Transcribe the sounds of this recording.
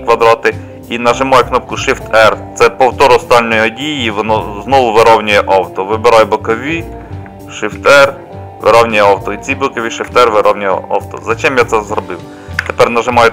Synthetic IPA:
kʋɐd̪ɾɑt̪ɪ | inɐʒɪmɑjɛknɔp̚kʊʃɪft̪ɛrt̪sɛpɔwt̪ɔɾʊɔst̪ɑlʲnɔjɔdʲijiʋɔnɔznɔʋʊʋɪɾɔwnʲʊjɛʔɑwt̪ɔʋɪbeɾɑjɛbʊkɔʋʲi | ʃɪft̪ɛr | ʋɪ̰ɾɔwnʲʊjɛɑwt̪ɔitt͡sʲijbʊkɔʋʲiʃɪft̪ɛrʋɪɾʔɔwnʲʊjɛ̰ɑ̰wt̪ɔ̰zɐt͡ʃɛmjat̪sɛzɾɔbɪw | t̪epɛrnɐʒɪmɑjɛ

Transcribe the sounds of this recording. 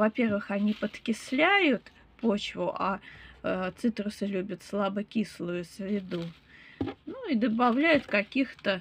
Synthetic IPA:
vɐpʲe̞rvɨxɐnʲipət̪kʲɪslʲæjʊt̪ | pot͡ɕvʊʔa | t̪sɨt̪ɾʊsɨlʲubʲət̪slˠabəkʲislˠʊjʊsʲvʲɪd̪u | nuɪd̪əbɐvlʲæjʊt̪kɐkʲixt̪ə

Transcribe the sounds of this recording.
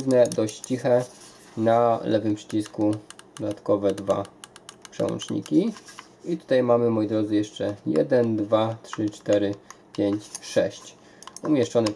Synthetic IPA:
znɛd̪ɔɕt͡ɕt͡ɕixɛ | nalɛvɘmpʂɘ̥t͡ɕiskud̥̪ɔd̪at̪kɔvɛd̪va̰pʂɛ̰wɔ̰nt͡ʂɲḭkʲi | it̪u̥t̪ajmamɘmɔjid̪ɾɔd̪zɘjɛʂt͡ʂɛjɛ̰d̪ɛnd̪vatʂɘt͡ʂt̪ɛɾɘpʲjeɲt͡ɕʂɛ̰ɕt͡ɕ | umʲjɛʂt͡ʂɔnɛ

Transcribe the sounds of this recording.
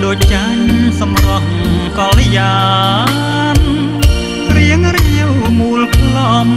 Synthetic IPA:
ɗoːc̚t͡ɕaɲsɑmrɑk̚kɑlːejaː | n | riəŋriəwmuːlpʰlɑm

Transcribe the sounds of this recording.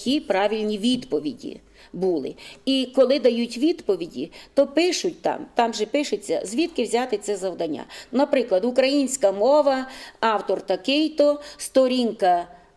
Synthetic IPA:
kʲipɾɑʋʲilʲnʲiʋʲid̪pɔʋʲidʲḭ | bulˠɪ̰ikɔlˠɪd̪ɐjutʲʋʲid̪pɔʋʲidʲḭt̪ɔpɪʃʊtʲt̪ɑ̰mt̪ɑmʒɛpɪʃʊt͡sʲːɐ̰zʲʋʲit̪kɪwzʲat̪ɪt̪sɛzɐwd̪ɐnʲːa̰nɐpɾɪklˠɐd̪ukɾɐjinʲsʲkɐmɔʋɐɑwt̪ɔrt̪ɐkɪjt̪ɔst̪ɔɾʲinkɐ

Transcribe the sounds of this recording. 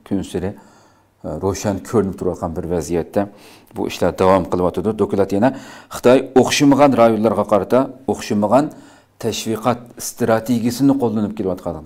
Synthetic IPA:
kʲʰynsɪɾɪ | ɾoʃɛnkʲʰøɾnɪp̚t̪ʰuɾwɑt̪̚qʰɑnbɪɾvɛzijɛt̪ʰːɛ | bṵʔḭʃlˠɑd̪ɑwɑmqʰəlˠɨwɑt̪ʰɨd̪ud̪okʲulˠɑt̪jɛnɛχə̥t̪ʰɑjoχʃɨməʁɑnɾɑjonlːˠɑɾʁɑqʰɑɾɨt̪ʰɑoχʃɨməʁɑn | t̪ʰɛʃviqɑt̪̚st̪ɾɑt̪ʰeɡʲijsɪnɪqʰolˠːɨnup̚kʲʰelɪwɑt̪̚qʰɑlˠd̪

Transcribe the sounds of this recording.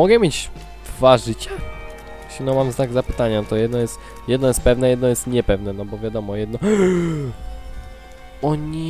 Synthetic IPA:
ɔɡɛmʲjed͡ʑ | d̪̥vaʐɘt͡ɕa | ɕʲinɔmamzt̪aɡzapɘ̥t̪aɲant̪ɔjɛd̪nɔjɛst̪ | jɛd̪nɔjɛst̪̚pɛvnɛjɛd̪nɔjɛst̪ɲɛpɛvnɛnɔbɔvʲjad̪ɔmɔjɛd̪nɔ | ɔɲi

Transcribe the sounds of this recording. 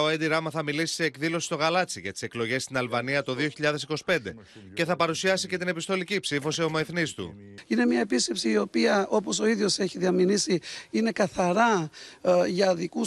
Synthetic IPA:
oend̪iɾɐmɐθɐmilisi̥seːkðilo̞si̥st̪o̞ɣɐlɐt͡siʝɐt̪i̥se̞klo̞ʝe̞st̪inɐlvɐniɐt̪o̞ðio̞çiʎɐðe̞si̥ko̞si̥pe̞nd̪e̞ | ce̞θɐpɐɾusiɐsice̞t̪ine̞pist̪o̞licipsifo̞sio̞moeθnist̪ṵine̞mɲɐepisce̞psiːo̞piɐʔo̞poso̞iðjo̞se̞çiðiɐminisiine̞kɐθɐɾɐ | ʝɐðiku

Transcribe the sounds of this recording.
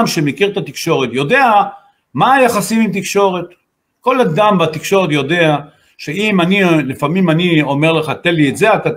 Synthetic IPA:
mʃemekiʁt̪at̪ikʃo̞ʁe̞t̪jo̞d̪e̞a | maːjaχasimimt̪ikʃo̞ʁe̞t̪ | ko̞lad̪ambat̪ikʃo̞ʁet̪jo̞d̪ea | ʃe̞imanilifamimanio̞meʁleχat̪elietzeat̪a

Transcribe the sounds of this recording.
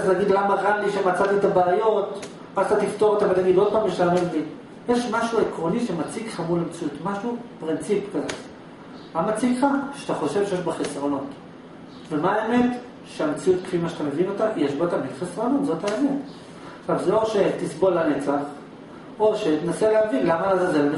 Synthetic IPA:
ztaɡid̪lamaʁaliʃemat͡sat̪it̪abaːjo̞t | azt̪at̪ift̪oʁot̪avalt̪aɡidod̪̚pamiʃtaːmelbi | jeʃmaʃuekʁoniʃemat͡sikχamulamt͡sijutmaʃupʁint͡sipkazat | mamat͡sikχaʃat̪aχo̞ʃev̥ʃejeʃbaχesʁo̞no̞t | vemaːeme̞t | ʃeamt͡siut̪̚kʁimaʃḁt̪ame̞vino̞t̪ajeʃbat̪amilχesʁo̞no̞t̪zo̞taemet | abzelo̞ʃe̞t̪isbo̞lanet͡saχ | o̞ʃet̪enaseleavilamazazel

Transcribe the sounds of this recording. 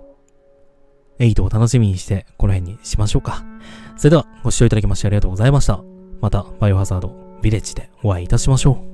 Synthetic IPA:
e̞it̪o̞ːt̪ano̞ɕimʲiɲ̟iɕi̥t̪e̞ko̞no̞ɦẽ̞ɲ̟ːiɕimaɕo̞ːkḁso̞ɾe̞d̪eaɡ̥o̞ɕi̥ːo̞it̪ad̪akʲemaɕit̪eaɾʲiɡat̪oːɡo̞zaimaɕi̥t̪amat̪abajoɸasaːd̪o̞ | bʲiɾe̞t͡ɕi̥d̪e̞o̞βaiːt̪aɕimaɕo̞ː

